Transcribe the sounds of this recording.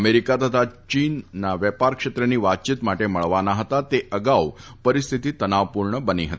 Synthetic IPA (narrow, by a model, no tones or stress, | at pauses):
əmeɾikat̪ət̪ʰat͡ɕinːaʋjəpaɾkʂet̪ɾəniːʋat̪̚t͡ɕit̪maʈeməɭʋanaɦət̪at̪eʔəɡaupəɾist̪ʰit̪iːt̪ənaʋpuɾɳəbəniɦət̪i̥